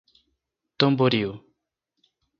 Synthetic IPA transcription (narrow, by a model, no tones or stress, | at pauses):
t̪omboɾiu